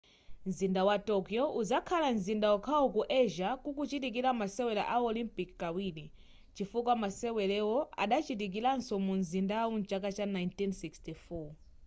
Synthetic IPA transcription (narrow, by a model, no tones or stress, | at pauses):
nzindawatɔkjɔʔuzakʰalanzindawɔkʰaɔkuʔɛʒakukut͡ʃit̬ik̬ilamasɛwɛla̰ʔaɔlimpikkawili | t͡ʃifukwamasɛwɛlɛwɔa̰ɗat͡ʃit̬ik̬ilansɔmunzindaunt͡ʃak̬at͡ʃanajntinsikstifɔ